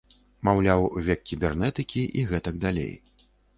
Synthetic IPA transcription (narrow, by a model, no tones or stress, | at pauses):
mawlʲawvʲɛk̚kʲibʲɛrnɛt̪ɨkʲiʔiɣɛt̪ɐɡ̚d̪alʲḛj